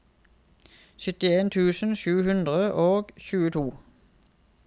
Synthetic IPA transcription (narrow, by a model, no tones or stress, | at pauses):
sʏt̪ɪeːnt̪ʰʉːsn̩ʃʉːhʉnd̪ʁəʔoːɡçʉːət̪ʰuː